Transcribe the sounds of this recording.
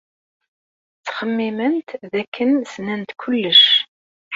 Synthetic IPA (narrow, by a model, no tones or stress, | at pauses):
t͡sːχəmːimənt̪ðækʰːənsnænt̪kʷʰʊlːəʃ